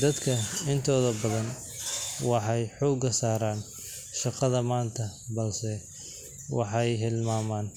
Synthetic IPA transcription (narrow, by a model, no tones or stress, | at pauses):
d̪ɐd̪kʰɐɪnt̪ʰɔːðɐbɐðɐn | wɑħɑjħɔːɡɐsaːɾaːn | ʃɑqɐðɐmaːnt̪ʰɐbɐlsɛ | wɑ̰ħɑjɦɪlmaːmaːn